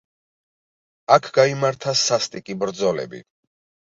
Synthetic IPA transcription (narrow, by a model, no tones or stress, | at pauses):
akʰɡaimaɾt̪ʰasast̪ʼikʼibɾd̪zɔlɛ̰bḭ